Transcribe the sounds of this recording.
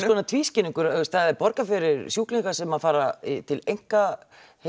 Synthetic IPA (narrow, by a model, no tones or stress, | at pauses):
ɔnat̪ʰviːscɪniŋkʏɾɪst̪θaðɛɾpɔɾkafɪɾɪɾsjuːkliŋkḁsɛmaðfaːɾait̪ʰɪlejŋ̥ka | he